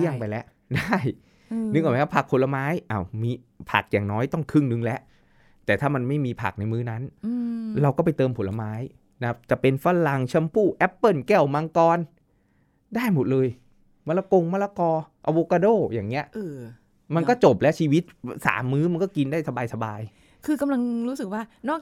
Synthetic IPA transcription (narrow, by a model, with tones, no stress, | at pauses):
i˥˩əŋpa˧jlɛ˦˥ʔ | daː˥˩j | nɯ˧ŋkaː˨˩˧kʰa˥˩pʰa˨˩k̚pʰo˨˦la˧maː˦˥jʔaː˧˩wmiː˧ | pʰa̰˨˩k̚jaː˨˩ŋnɔː˦˥jt̪ɔ˥˩ŋkʰɯ˥˩ŋnɯ˧ŋlɛ˦˥ʔ | t̪ɛː˨˩t̪ʰaː˥˩ma˧nma˥˩jmiː˧pʰa̰˨˩k̚na˧jmɯː˦˥na˦˥n | ɾa˧wkɔː˥˩pa˧jt̪ɤː˧mpʰo˨˩˦la˧maː˦˥j | na˦a˥p̚t͡ɕa˨˩pe˧nfa˧˥la˧ŋt͡ɕʰa˧mpʰuː˥˩ʔɛ˦˥pːɤ˥˩nkɛː˥˩wma˧ŋkɔː˧n | daː˥˩jmo˨˩t̪̚lɤː˧j | ma˧˩la˧ko˧ŋma˧˥la˧kɔː˧ʔa˧wo˧˥ka˧doː˥˩jaː˨˩ŋːi˦˥ɐʔʔɤː˧ | ma˧nkɔː˥˩t͡ɕo˨˩p̚lɛ˦˥t͡ɕʰiː˧wi˦˥t̪̚sa̰ː˩˦mːɯː˦˥ma˧nkɔː˥˩ki˧ndaː˥˩jsa˧baː˧jsa˧baː˧j | kʰɯː˧ka˧mla˧ŋɾuː˦˥sɯ˨˩k̚waː˥˩nɔː˥˩k̚